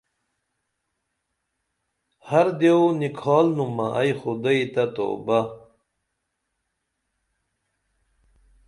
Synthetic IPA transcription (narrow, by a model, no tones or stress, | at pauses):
hɐɾd̪eonikʰɑːlnumɐʔɐjxud̪ɐit̪ɐt̪o̰ːba